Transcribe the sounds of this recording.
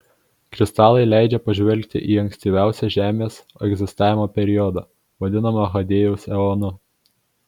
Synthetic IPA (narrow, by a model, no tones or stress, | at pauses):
kɾʲɪst̪ɑːlˠɐɪlʲæˑɪd͡ʒʲɛpɐʒʲʋʲɛlʲk̚ʲt̪ʲɪ̰ʔiːɐŋʲksʲt̪ʲiːʋʲæˑʊsʲɛʒʲæːmʲeːs | ɛɡzʲɪst̪ɑːʋʲɪmoːpʲɛɾʲɪɔd̪ɑː | ʋɐd̪ʲɪnɐmɐɦɐd̪ʲeːjɛʊsɛɔːnʊ